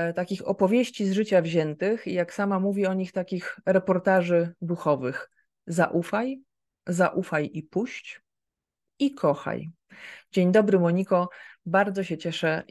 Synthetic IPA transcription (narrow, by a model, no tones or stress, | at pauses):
t̪akʲixɔ̰pɔvʲjeɕt͡ɕizʐɘt͡ɕavʑɛnt̪ɘxijaksamamuvʲiɔɲixt̪akʲixɾɛpɔɾt̪aʐɘd̪uxɔvɘx | za̰ʔufaj | za̰ʔufajipuɕt͡ɕ | ikʰɔxa̰j | d͡ʑeɲd̪ɔbɾɘmɔɲikɔbaɾd̪zɔɕɛt͡ɕɛʂɛ